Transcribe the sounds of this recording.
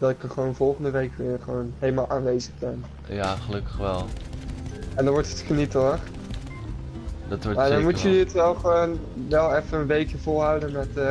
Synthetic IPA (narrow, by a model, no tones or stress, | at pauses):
d̥ɑtɪkəχəʋownvɔlˠχəndəʋejkʋɪχəʋownɦejləmaːlˠʔaːnʋejzəχbɛn | jaːχəlɵkəχʋɛlˠ | ɛndɑnʋɔɹtətχənitəχ | dɑtʋɔmaːdɑnmutəəətʋɛlˠχəʋownʋɛlˠɛfənənʋejkjəvʊlˠɦawdənmɛt